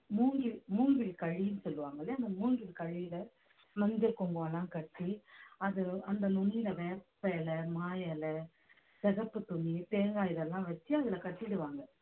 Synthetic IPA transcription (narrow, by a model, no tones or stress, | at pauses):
muːŋɡɪlmuːŋɡɪlkɐɻɪjɯnɯsɔlːɯʋaːŋɡɐlɪɐnd̪ɐmuːŋɡɪlkɐɻɪjlɐ | mɐnd̪ɪlkɔŋɡʋɐlãːkɐʈːiɐðɯɐnd̪ɐnʊnːilɐʋeːpːɐɛlɐmaːjɐlɐ | sɛɣɐpːɯt̪ʊɳːit̪eːŋɡaːjɪðɛlːãːʋɐt͡ʃːiɐðɪlɐkɐʈːɪɽɯʋaːŋɡɐ